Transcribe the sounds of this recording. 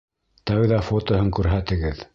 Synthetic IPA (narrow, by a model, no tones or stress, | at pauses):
t̪æwðɑfot̪ŏɦɤŋkʉɾɦæt̪ɘ̆ɡɘð